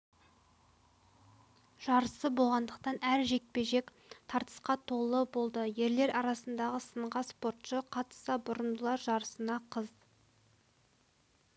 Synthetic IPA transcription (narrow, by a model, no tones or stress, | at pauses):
ʒ̥ɑɾəsəbo̞lˠʁɑnd̪əq̚t̪ɑnæɾʒe̞k̪̚pe̞ʒe̞k | t̪ʰɑɾt̪ə̥sqɑt̪ʰo̞lˠəbo̞lˠd̪əje̞ɾle̞ɾɑɾɑsənd̪ɑʁəsəɴʁɑspo̞ɾt̪ʃəqʰɑt̪ə̥sɑbʊɾənd̪əlˠɑɾʒɑɾəsənɑqʰəz